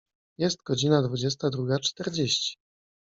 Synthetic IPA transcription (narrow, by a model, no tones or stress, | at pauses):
jɛst̪̚ɡɔd͡ʑinad̪vud͡ʑɛs̬t̪ad̪ɾuɡat͡ʂt̪ɛɾd͡ʑeɕt͡ɕi̥